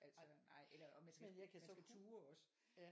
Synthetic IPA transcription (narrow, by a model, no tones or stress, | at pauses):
ʔæl̰sɒnɑ̈ɪ̰elɐʔɒmænsɡ̥æsɡ̥æt͡sʰuːɐɒ̽sə